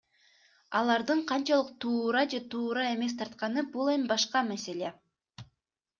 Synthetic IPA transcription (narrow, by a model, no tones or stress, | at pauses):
ɑlˠɑɾd̪ɯɴqʰɑnt͡ʃɑlˠɯq̚t̪ʰuːɾɑd͡ʒe̞t̪ʰuːɾɑe̞me̞s̬t̪ʰɑɾt̪̚qɑnɯbulˠe̞mbɑʃqɑmæse̞lʲe̞